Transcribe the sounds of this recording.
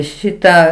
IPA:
ˈʃʲɪtɑː

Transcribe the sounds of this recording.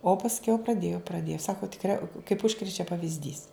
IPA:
oː pɐsʲˈkʲɛʊ prɐˈdʲeːjoː prɐˈdʲeːjoː ˈsɑːkoː tʲɪkˈrʲɛ kɐɪp ˈʊʃkrʲɛt͡ʃʲɛ pɐʋʲɪzʲˈdʲiːs

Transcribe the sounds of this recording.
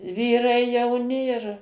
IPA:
ˈʋʲiːrɐɪ jɛʊˈnʲɪ ɪr

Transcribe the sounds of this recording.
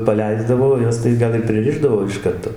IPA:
pɐˈlʲɛɪzdɐʋoː oː ˈjɛs tɐɪ ˈɡɐlˠ ɪr pʲrʲɪˈrʲɪʒdɐʋoː ɪʃ ˈkɐrtoː

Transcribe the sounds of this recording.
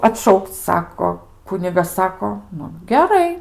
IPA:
ɐtˈʃɐʊkt͡s ˈsɑːkoː ˈkʊnʲɪɡɐs ˈsɑːkoː ˈnʊ ɡʲɛˈrɐɪ

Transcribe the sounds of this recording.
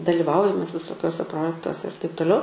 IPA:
dɐlʲɪˈʋɐʊjɛm mʲɛs ʋʲɪsoːˈkʲuɔsʲɛ ˈproːjɛktuɔsʲɛ ɪr tɐɪp toːˈlʲɛʊ

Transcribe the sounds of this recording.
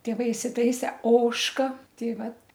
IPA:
tʲeːˈʋɐɪ ɪsʲɪˈtɐɪsʲɛ ˈoːʃkɐ ˈtʲɛɪ ˈʋɐt

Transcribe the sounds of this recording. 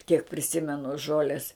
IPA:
kʲiɛk pʲrʲɪˈsʲɪmʲɛnʊ ˈʒoːlʲeːs

